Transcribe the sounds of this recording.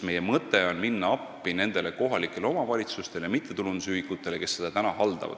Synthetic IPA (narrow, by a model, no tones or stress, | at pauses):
me̞je̞mɤt̪ːˑe̞o̞nminːɑɑpːine̞nd̪̥e̞le̞ko̞ɦɑlikːˑe̞lo̞mɑvɑlʲit̪sust̪e̞ljɑmit̪ˑːe̞t̪ulunusyhikːˑut̪ːˑe̞le̞ke̞sːed̪̥ɑt̪ænɑhɑld̪ɑ̰vɑ̰d̪̥